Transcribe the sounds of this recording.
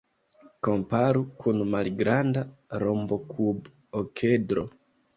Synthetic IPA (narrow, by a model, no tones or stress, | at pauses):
ko̞mpaɾukʰunmalɡɾandaɾombo̞kʰub | okʰedɾo̞̰